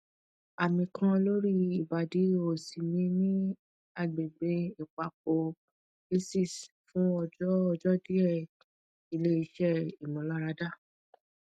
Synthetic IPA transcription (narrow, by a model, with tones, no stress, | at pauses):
a˨mĩ˨kʰã˧lo˦ɾi˦i˦˨ba˨di˨˦o˨si˨mĩ˧˦nĩ˦ | a˦˨ɡ͡be˨ɡ͡be˧i˨k͡pa˨k͡p̚o˧ | e˦si˦˨s | fũ˦ɔ˧d͡ʒɔ˦ɔ˧d͡ʒɔ˦di˦ɛ˦˨ | i˧le˦i˧ʃɛ˦i˨mũ˨˦la˦ɾa˧˦da˦˨